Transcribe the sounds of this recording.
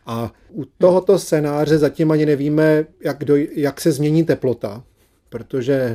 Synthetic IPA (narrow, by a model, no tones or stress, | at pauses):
ʔa | ut̪o̞ɦo̞t̪o̞stt͡sɛnaːr̝ɛzacɪmaɲɪnɛviːmɛjaɡdojaksɛzmɲɛɲiːt̪ɛplo̞t̪a | pɾot̪o̞ʒɛ